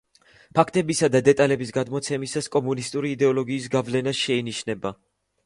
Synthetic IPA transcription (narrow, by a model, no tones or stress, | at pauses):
pʰakʰt̪ʼɛbisad̪ad̪ɛt̪ʼalɛbisɡad̪mɔt̪sʰɛmisaskʼɔmunist̪ʼuɾiːd̪ɛɔlɔɡiːs̬ɡavlɛnaʃɛiniʃnɛba